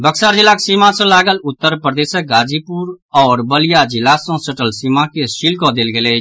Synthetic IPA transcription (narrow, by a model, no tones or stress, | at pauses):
bəksaːɾd͡ʒɪlaːksimãsẽlaːɡəlʊt̪ːəɾpɾəd̪eːsək̚ɡaːd͡ʒiːpuːɾɔːɾbəlɪjaːd͡ʒɪlaːsõsəʈəlsimãkeʃɪlkõːd̪elɡeleː